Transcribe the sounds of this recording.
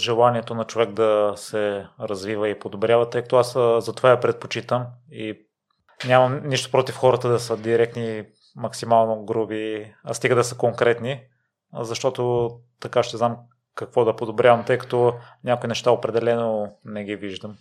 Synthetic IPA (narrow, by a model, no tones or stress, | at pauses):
ʒɛlˠaniɛt̪onɐt͡ʃovɛk̚d̪ɐsɛɾɐzvivəipod̪obɾjavɐt̪ɤjkɐ̥t̪ɔaszɐt̪ovaɛpɾɛt̪̚pot͡ʃit̪əmi | nʲamɐmniʃt̪o̥pɾot̪ifxɔɾət̪əd̪ɐsəd̪iɾɛk̚t̪ni | mɐksimalˠnoɡɾubiast̪iɡəd̪ɐsəkoŋkɾɛt̪ni | zɐʃt̪ɔt̪ot̪ɐkaʃt̪ɛznam | kɐkvɔd̪ɐpod̪obɾʲjavɐmt̪ɤjkɐ̥t̪ɔnʲakoinɛʃt̪aopɾɛd̪ɛlɛnonɛɡiviʒd̪əm